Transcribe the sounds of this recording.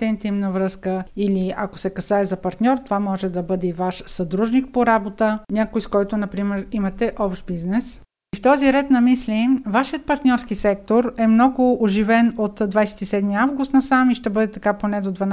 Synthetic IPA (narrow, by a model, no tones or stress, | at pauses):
t̪ɛint̪imnəvɾɤskəiliɐkosɛkɐsaɛzɐpɐɾt̪nʲɔɾt̪ovamɔʒɛd̪ɐbɤd̪ɛivaʃsɐd̪ɾuʒnik̚poɾabot̪ənʲakojskɔjt̪ʊnɐpɾimɛɾimɐt̪ɛʔɔpʃt̪̚biznɛs | ift̪ɔziɾɛt̪nɐmislivaʃijət̪̚pɐɾt̪nʲɔɾskisɛk̚t̪oɾɛmnɔɡʊoʒivɛnot̪d̪vajsɛ̥t̪isɛd̪miavɡʊst̪nɐsamiʃt̪ɛbɤd̪ɛt̪ɐkaponɛd̪od̪vɐn